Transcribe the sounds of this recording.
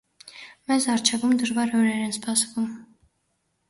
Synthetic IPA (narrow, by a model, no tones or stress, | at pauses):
mɛzɑɾt͡ʃʰɛvumd̪əʒvɑɾɔɾɛɾɛnspʰɑsvum